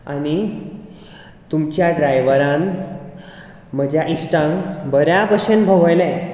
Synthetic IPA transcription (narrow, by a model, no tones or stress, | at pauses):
ani | t̪umt͡ɕjaɖɾajʋəɾãn | m̤əd͡ʑʱjaʔisʈãŋbəɾjabəɕenbʱəʋəjlɛ̃